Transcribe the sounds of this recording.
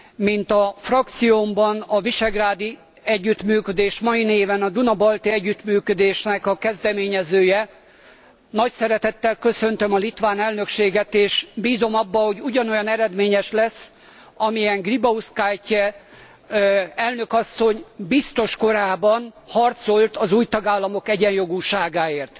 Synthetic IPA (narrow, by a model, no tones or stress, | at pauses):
mint̪ɒfrɒk̚t̪sijombɒnɒviʃɛɡraːd̪i | ɛɟːyt̪myːkød̪eːʃmɒjineːvɛnɒd̪unɒbɒlt̪iɛɟːyt̪myːkød̪eːʃnɛkɒkɛzd̪ɛmeːɲɛzøːjɛ | nɒcsɛɾɛt̪ɛt̪ːɛlkø̞sø̞nt̪ø̞mɒlit̪ʋaːnɛlnø̞kʃeːɡɛt̪eːʃbiːzo̞mɒbːɒho̞ɟuɟɒno̞jɒnɛɾɛd̪meːɲɛʃlɛsː | ɒmijɛŋɡribɒuskaːjcɛ | ɛlnø̞kɒsːo̞ɲbist̪o̞ʃko̞ɾaːbɒnhɒrt̪so̞lt̪ɒzuːjt̪ɒɡaːlːɒmo̞kɛɟɛnjo̞ɡuːʃaːɡaːeːrt̪